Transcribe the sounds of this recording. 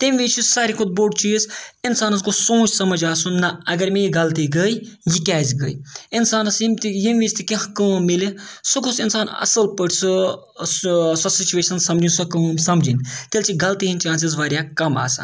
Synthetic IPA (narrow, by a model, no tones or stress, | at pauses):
t̪imʋiːt͡ʃʰissaːɾikʰʊd̪̚boːʈt͡ʃizɪnsaːnɐskosõːt͡ʃʰsɐmɐd͡ʒaːsunːɐɐɡɐɾmeiɡɐlt̪iɡəj | jikʲaːzʲɡəiɪnsaːnɐsimt̪ijimʋʲiːt͡ʃt̪ʰikɐ̃ɦkəːmilisukʰusɪnsaːnɐ̰sɐlpəʈsɨ | sɐsit͡ʃuʋeːʃɐnsɐmd͡ʒinsɐkɐːmsɐmd͡ʒint̪elt͡ʃʰiɡɐlt̪iɦint͡ʃaːns̬izʋaːɾʲjaːkɐma̰ːsa̰ːn